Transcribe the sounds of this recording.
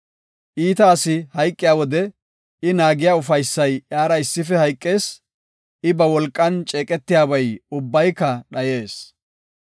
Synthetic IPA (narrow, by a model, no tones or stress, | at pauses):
ʔiːt̪ɐːsɪhɐjkʼːɪjaːwɔd̪ɛ | ɪnaːɡɪjaːʊfɐjsːɐjjaːɾɐɪsːɪfɛhɐjkʼːe̞ːs | ɪbɐwɔlkʼːɐnt͡ʃʼe̞ːkʼɛt̪ːɪjaːbɐjʊbːɐjkːɐɗɐje̞ːs